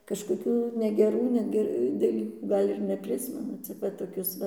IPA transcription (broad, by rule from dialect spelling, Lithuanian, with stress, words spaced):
kɐʃkoːˈkʲuː nʲɛɡʲɛˈruː ˈnʲæːɡʲɛ dɐˈlʲiːkuː ˈɡɐlʲ ɪr nʲɛˈpʲrʲɪsʲmʲɛnʊ t͡sʲɪk ˈʋɐ toːˈkʲʊs ˈʋɐ